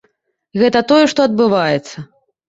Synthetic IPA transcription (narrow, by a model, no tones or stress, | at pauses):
ɣɛt̪ɐt̪ɔjɛʂt̪ɔɐd̪̚bɨvajɛt̪sːɐ